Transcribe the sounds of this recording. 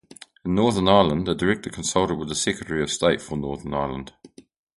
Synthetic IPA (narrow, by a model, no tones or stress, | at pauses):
ɪ̃nːɔɹðənaəlˠə̃ndədəɹɛk̚təkʰə̃nsʌlˠtədwɪðəsɛkɹətəɹiəv̥steɪʔfənɔɹðənaɪlˠə̰̃nd̥